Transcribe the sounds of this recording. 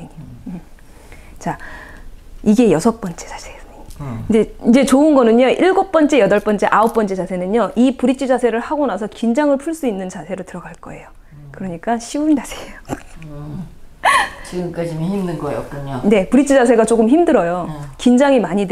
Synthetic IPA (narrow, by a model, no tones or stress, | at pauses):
ɲi | t͡ɕa | iɡe̞jʌsʰʌp͈ʌnt͡ɕ͈e̥t͡ɕʰḁsʰesndeind͡ʑe̞t͡ɕoɯnɡʌnɯɲoʔiɭɡok̚p͈ʌnt͡ɕ͈e̞jʌdʌɭp͈ʌnt͡ɕ͈eʔaop̚p͈ʌnt͡ɕ͈ed͡ʑasʰe̞nɯnoʔipuɾit͡ɕʰid͡ʑasʰe̞ɾɯɭhaɡonasʰʌkind͡ʑaŋɯɭpʰuɭs͈uinːɯnt͡ɕasʰe̞ɾotɯɾʌɡaɭk͈ʌ̰e̞jo | kɯɾʌɲik͈aɕʰiund͡ʑasʰe̞jo | t͡ɕiɡɯmk͈ad͡ʑimhimnɯnɡʌjo̰k͈uɲone̞puɾit͡ɕʰid͡ʑasʰe̞ɡat͡ɕ͈oɡɯmçimdɯɾʌjokind͡ʑaŋimaɲid